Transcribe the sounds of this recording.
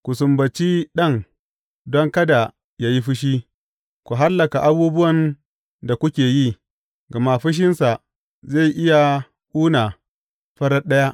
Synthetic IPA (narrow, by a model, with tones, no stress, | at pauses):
kʷu˨sʊ˨mbɐ˨t͡ʃi˦ɗɐ˦ŋ | dɔ˦ŋkɐ˦da˨ | jaː˦ji˦ɸɪ˦ʃ̬iː˦ | kʷu˨ɦa˦lːɐ˨ka˨ʔa˦buː˦bʊ˦wɐ˨n | da˨kʷʊ˦kʲeː˨ji˦ | ɡɐ˨ma˦ɸɪ˦ʃ̬ɪ˦nsa˨ | ze˦˨jʔɪ˦ja˨ | ʔuː˦na˨ | ɸɐ˦ɾɐ˦rɗɐ˦ja˦ʔ